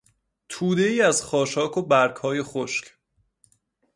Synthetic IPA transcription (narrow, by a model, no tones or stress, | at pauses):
t̪ʰuːd̪e̞iːæzχɒːʃɒːkʰobæɾkhɒːje̞χoʃcʰ